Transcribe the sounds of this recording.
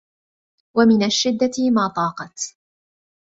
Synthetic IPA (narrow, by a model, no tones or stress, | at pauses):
wamɪnaʃːɪd̪ːamaːt̪ˤɑːqɑt̪